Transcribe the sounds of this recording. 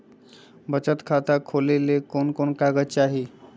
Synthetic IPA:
bət͡ɕət̪kʰat̪akʰolelekonkonkaɡət͡ɕaɦi

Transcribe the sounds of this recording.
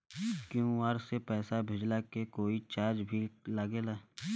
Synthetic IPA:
kjũːaːɾsepɛːsabʱed͡ʒlakekoːit͡ʃaːd͡ʒbʱilaɡelaː

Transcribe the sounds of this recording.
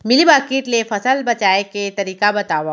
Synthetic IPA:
mɪlibaːkiːʈlefɐsəlbɐt͡ʃaːeket̪ɐɾiːkabɐt̪aːʋaː

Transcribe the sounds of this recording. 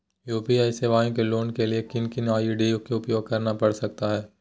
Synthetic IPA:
juːpiaːjseʋaːjõkeloːnkeliekɪnkɪnaːiɖiʊkoʊpjoːɡ̚kɐɾnapɐɽsɐk̚t̪aɦɛː

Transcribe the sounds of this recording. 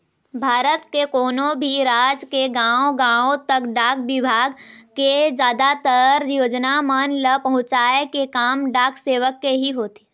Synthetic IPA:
bʱaːɾət̪kekɔːnõbʱiɾaːd͡ʒkeɡãːoɡãːõt̪ɐkɖaːk̚ʋɪbʱaːɡked͡ʒjaːd̪at̪əɾjoːd͡ʒnamənləpɐɦʊ̃t͡ʃaːekekaːmɖaːkʰseːʋəkːeɦiɦoːt̪e̥ː

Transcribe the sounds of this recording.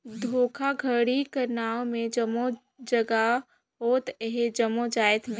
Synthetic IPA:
d̪ʱoːkʰaɡʱəɽikəɾnaːomẽd͡ʒəmo | d͡ʒəɡa | ɦoːt̪ɦed͡ʒəmod͡ʒaːjɪt̪ʰme

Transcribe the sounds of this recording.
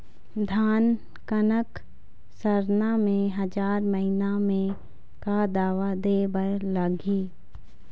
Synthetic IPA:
d̪ʱaːn | kənək | səɾnamẽɦɐd͡ʒaːɾməɦinamẽ | kad̪aːʋad̪eːbəɾləɡiː

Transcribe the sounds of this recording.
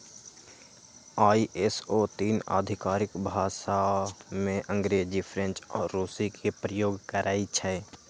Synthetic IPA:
aːiʔesot̪iːna̰ːd̪ʱɪkaːɾɪkbʱaːʃamẽʔə̃ŋɡɾeːd͡ʒipʰɾɛ̃nt͡ʃɔːɾːuːsikʰipɾəjoːɡkəɾʔaːit͡ʃʰɛɛ

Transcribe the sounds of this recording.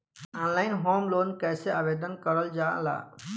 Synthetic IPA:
aːnlaːɪnɦoːmloːnkɛːseabeːd̪ənkəɾəld͡ʒaːla̰ː

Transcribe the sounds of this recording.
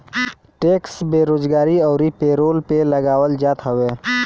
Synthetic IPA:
ʈeːksbeːɾoːd͡ʒɡaːɾiɔːɾipeːɾoːlpelɐɡaːwəld͡ʒaːt̪ɦəʋeː

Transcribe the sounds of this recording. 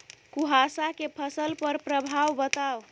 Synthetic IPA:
kuɦasakepʰəsəlpəɾpɾəbʱawbət̪aw

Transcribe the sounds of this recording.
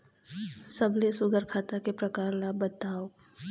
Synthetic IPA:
səblesʊɡəɾkʰaːt̪akepɾɐkaːɾlabət̪aːo

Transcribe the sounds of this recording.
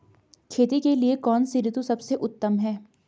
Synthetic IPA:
kʰeːt̪ikeliekɔːnsɪɾɪt̪usɐbseʔʊt̪ːəmɦɛː

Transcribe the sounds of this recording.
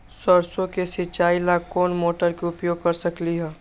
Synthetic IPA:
səɾsõkesɪt͡ʃaːilakoːnmoːʈəɾkeʊpjoːɡ̚kəɾsəkliɦɛː

